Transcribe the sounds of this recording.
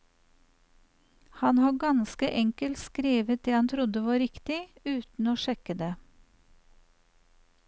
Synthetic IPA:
hɑnhɑːɡɑnskəʔɛŋkəlt̪skɾiːʋət̪̚d̪eːhɑnt̪ʰɾʊd̪əʋɑːɾɪkt̪ɪʉːt̪n̩oːʃɛkəd̪eː

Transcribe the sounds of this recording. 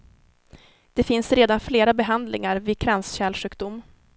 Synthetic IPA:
d̪̥ɛfɪnsɾeːd̪anfleːɾabɛɦand̪lɪ̰ŋaɾvɪkʰɾansɕɛːlʂɧʉ̟ːkd̪ʊmː

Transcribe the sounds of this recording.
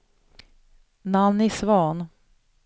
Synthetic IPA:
namnɪsvɑːn

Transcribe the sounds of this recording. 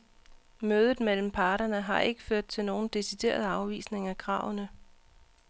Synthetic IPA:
møːð̞ˠð̩ˠmel̰m̩pʰɑːɾɐnəɦɑ̈ʔe̝ɡ̥əføɐ̰d̥̚t͡sʰe̝lno̝ːn̩d̥e̝sid̥e̝̰ːɐð̞̩ˠɑ̈ʊʋḭːsne̝ŋækʰʁɑ̰̈ʊnə

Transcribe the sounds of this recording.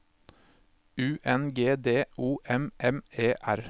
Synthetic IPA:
ʉːʔɛnɡeːd̪eːʔuːʔɛmʔɛmeːʔæɾ

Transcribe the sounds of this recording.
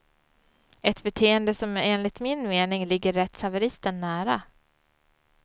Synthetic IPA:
ɛt̪bɛt̪ʰeːənd̪əsɔmeːnlɪt̪mɪnmeːnɪŋlɪɡːəɾːɛt̪savəɾɪst̪əɳːæːɾa

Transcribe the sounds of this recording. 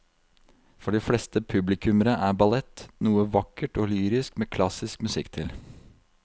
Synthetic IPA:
fɔɖɪfɽɛst̪əpʰʉblɪkʰʉməɾəʔæːbɑlɛt̪ːnuːəʋɑkːəʈoːlyːɾɪskmeːkʰlɑsɪskmʉsɪ̰kːt̪ʰɪl

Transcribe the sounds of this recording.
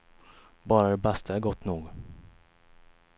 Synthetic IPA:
bɑːɾad̪ɛbɛst̪ʰəæːɾɡɔt̪ːnuːɡ

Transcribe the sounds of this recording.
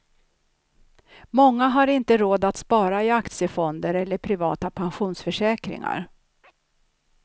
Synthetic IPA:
mɔŋːaɦaɾɪnt̪əɾoːd̪at̪spɑːɾaɪakt̪sɪjəfɔnd̪əɾɛlːəɾpʰɾɪvɑ̰ːt̪apʰanɧuːnsfœʂɛːkɾɪ̰ŋa̰ɾ

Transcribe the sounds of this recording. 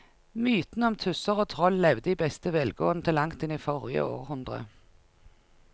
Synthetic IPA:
myːt̪nəɔmt̪ʰʉsəʁoːt̪ʰʁɔllɛʋd̪əiːbɛst̪əʋɛlɡo̰ːənət̪ʰɪlɑŋt̪ɪniːfɔʁjə̰o̰ːʁhʉnd̪ʁə̰

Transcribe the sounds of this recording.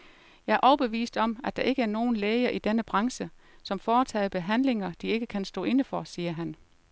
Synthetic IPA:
jɑ̈ɪæɐʔɒʊb̥e̝ʋḭːsd̥ɒ̽mæ̥d̥ɑ̈ʔe̝ɡ̥əæɐno̝ːn̩leːɪɐʔid̥enəb̥ʁɑ̈ŋsəsɒ̽mfɒːt͡sʰɛ̰ːɪb̥e̝ɦæn̰le̝ŋɐd̥ie̝ɡ̥əkʰænsd̥ɔ̰̽ːe̝nəfɒsiːɐɦæn

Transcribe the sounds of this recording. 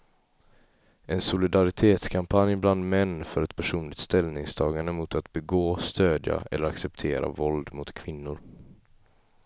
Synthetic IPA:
ʔɛnsʊlɪd̪aɾɪt̪ʰeːt̪skʰampʰanjbland̪mɛnːfœɾɛt̪pʰæʂuːnlɪkt̪st̪ɛlnɪŋst̪ʰɑːɡaɳd̪əmʊt̪at̪bɛɡoːst̪øːd̪ja̰ɛ̰lːəɾaksɛp̚t̪ʰeːɾa̰vɔld̪mʊt̪kʰvɪnːʊɾ

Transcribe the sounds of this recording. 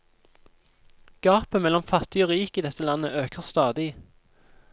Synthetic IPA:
ɡ̥ɑːpəmɛlɔmfɑt̪ɪoːʁiːkiːd̪ɛt̪əlɑnəʔøːkəʁst̪ɑːd̪ɪ

